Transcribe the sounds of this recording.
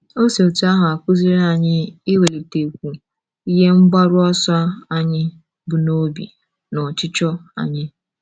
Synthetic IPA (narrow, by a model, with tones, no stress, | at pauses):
o˦se˨o˨tu˨˦a˦ɦʊ˨a˨kʷʊ˦zi˦ɾa˨ɲɪ˦ɪ˦we˨li˨te˨kʷu˨ | i˦ɦe˦ŋ͡m̩˦ɡ͡ba˦ɾʊ˦ɔ˦sa˦a˦ɲɪ˦ | bʊ˨no˦bḭ˨ | nɔ˨t͡ʃɪ˦t͡ʃɔ˦a̰˨ɲɪ˦